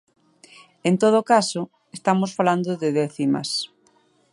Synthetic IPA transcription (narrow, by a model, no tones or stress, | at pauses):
ent̪oð̞okaso | est̪amosfaland̪ʊðɪðɛθimɐ̰s